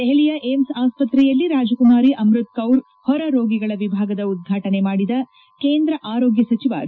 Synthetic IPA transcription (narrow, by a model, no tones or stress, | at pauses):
eɦeɭijɐʔemsaːspɐt̪ɾɛjɐlːiɾaːd͡ʒɐkumaːɾiʔɐmɾut̪̚kɐwɾ | hɔɾɐɾoːɡiɡɐɭɐʋibʱaːɡɐd̪ɐud̪̚ɡʱaːʈɐnemaːɽid̪ɐ | keːnd̪ɾɐʔaːɾoːɡjɐsɐt͡ʃiʋa̰ːɾi